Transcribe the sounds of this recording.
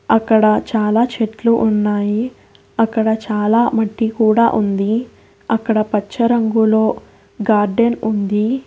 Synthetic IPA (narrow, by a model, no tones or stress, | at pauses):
ɐkːɐɽɐt͡ʃaːlaːt͡ʃeʈluʔunːaːji | ɐkːɐɽɐt͡ʃaːlaːmɐʈːikuːɽa̰ːʔund̪i | ɐkːɐɽɐpɐt͡ʃːɐɾɐŋɡulo̞ː | ɡaːɾɖenund̪i